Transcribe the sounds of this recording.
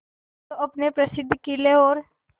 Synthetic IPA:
oɐpnepɾɐsɪd̪ʱːkileɦoːɾ

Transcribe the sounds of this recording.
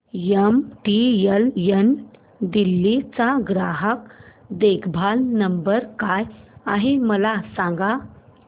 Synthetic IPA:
jemʈieljen | d̪ilːit͡saɡɾaɦəkd̪ekʰbʱalnəmbəɾkajaɦeməlasãŋɡa

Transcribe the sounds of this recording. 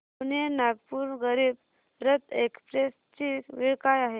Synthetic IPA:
nenaɡpuːɾɡəɾiːb | ɾət̪ekspɾes | t͡ɕiʋiɭkajaɦe

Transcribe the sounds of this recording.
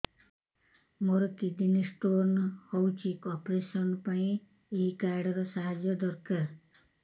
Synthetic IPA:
moɾɔkid̪inisʈoɾnhɔwt͡ʃʰikɔpɾesɔnpaĩ | eɦikaɾɽɔɾɔsaɦad͡ʒjɔd̪ɔɾkaɾ

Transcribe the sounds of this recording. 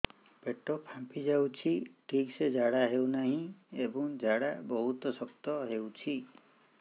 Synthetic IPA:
peʈɔpʰãmpid͡ʒawt͡ʃʰiʈʰiksed͡ʒaɽaɦewnaɦĩebɔŋd͡ʒaɽabɔɦut̪ɔsɔkt̪ɔɦewt͡ʃʰi

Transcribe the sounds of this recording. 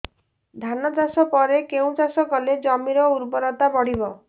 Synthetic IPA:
d̪ʱanɔt̪asɔpɔɾekeũt͡ʃasɔkɔled͡ʒɔmiɾɔuɾbɔɾɔt̪abɔɽ̤ibɔ

